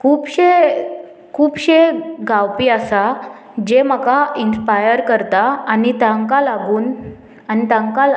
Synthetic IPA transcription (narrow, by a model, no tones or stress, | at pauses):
kʰuːpɕe | kʰuːbɕeɡawpiːasa | d͡ʑem̤əkainspajəɾkəɾt̪aːnit̪ãŋkalaɡuːn | anit̪ãŋkal